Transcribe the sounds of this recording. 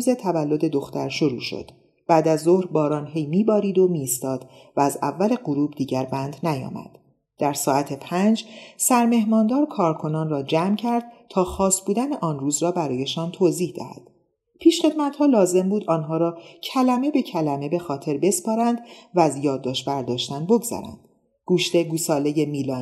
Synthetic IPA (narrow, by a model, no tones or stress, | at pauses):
uːze̞t̪ʰævælːo̞d̪e̞d̪o̞xt̪æɾʃoɾṵːʃo̰d̪̥ | b̥æːd̪æzːo̞hɾbɒːɾɒːnɦe̞jmiːbɒːɾiːd̪o̞miːst̪ɒːd̪̥ | væːzæ̰vːæle̞ɢoɾuːbd̪iːɟæɾbænd̪næjɒ̰ːmæ̰d̪̥ | d̪̥æɾsɒːæt̪ʰepʰænd͡ʒsæɾme̞ɦmɒːnd̪ɒːɾkʰɒːɾkʰo̞nɒːnrɒːd͡ʒæːmcʰæɾd̪̥̚t̪ʰɒːxɒːst̪buːd̪æneʔɒːnruːzɾɒːbæɾɒːje̞ʃɒːnt̪ʰoːziːhd̪æ̰hæ̰d̪̥ | pʰiːʃχe̞d̪̚mæt̪hɒːlɒːze̞mbuːd̪ɒːnɦɒːɾɒːcʰælæme̞be̞cʰælæme̞be̞xɒːt̪ʰe̞ɾbe̞spɒːɾænd̪væːzjɒːd̪ːɒːʃt̪bæɾd̪ɒːʃt̪ænbo̞ɡz̥æ̰ɾæ̰nd̪̥ | ɡ̥uːʃt̪e̞ɡuːsɒːle̞jemiːlɒː